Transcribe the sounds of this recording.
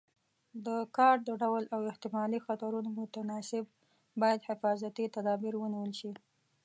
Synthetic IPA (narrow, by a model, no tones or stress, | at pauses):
d̪əkɑɾʈ̚d̪əɖawlawɪht̪ɪmɑlixat̪aɾunomʊt̪anɑsɪb̚ | bɑjad̪hɪfɑzat̪it̪ad̪ɑbiɾwəniwəlʃi